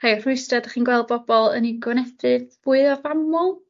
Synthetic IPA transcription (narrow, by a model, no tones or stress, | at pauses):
rajr̥ʊɨstadaχiːnɡwɛlˠd̚bɔbɔlˠə̰niɡɔnɛdɨðvuɨðɔvamɔlˠ